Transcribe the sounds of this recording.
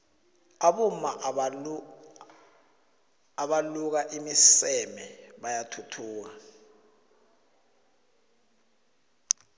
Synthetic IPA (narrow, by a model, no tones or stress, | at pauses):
aɓuma | aɓaluk̬aʔimisɛmɛɓajatʰutʰuːk̬a